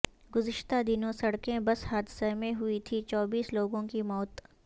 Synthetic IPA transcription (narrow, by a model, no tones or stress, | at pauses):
ɡʊzɪʃt̪ad̪ɪnõsɐɽkẽbɐshaːd̪ɪsemẽɦʊit̪ʰit͡ʃɔːbiːsloːɡõkimɔːt̪